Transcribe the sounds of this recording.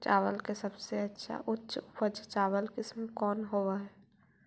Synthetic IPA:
t͡ʃa̰ːʋəlkesəbseətːʃʰa̰ʔʊtːʃpəd͡ʒt͡ʃaːwəlkɪsmə̃kɔːnɦowaɦɛ

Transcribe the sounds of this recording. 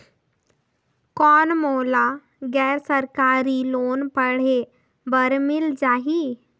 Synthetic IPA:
kɔːnmoːla | ɡɛːɾsəɾkaːɾiloːnpəɽ̤e | bəɾmɪld͡ʒaːɦi

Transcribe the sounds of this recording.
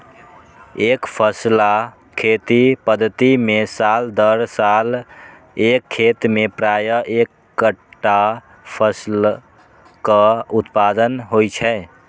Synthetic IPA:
ekpʰəsla | kʰet̪ipəd̪ʱət̪imesald̪əɾsal | ekʰːet̪mepɾajəʔekːəʈːa | pʰəsl | kəut̪pad̪ənɦojt͡ʃʰɛ

